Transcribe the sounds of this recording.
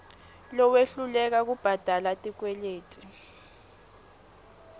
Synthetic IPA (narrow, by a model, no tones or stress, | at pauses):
lɔweɬulɛk̬ak̬ub̥ʱad̥ʱalatʼik̬wɛleːtʼi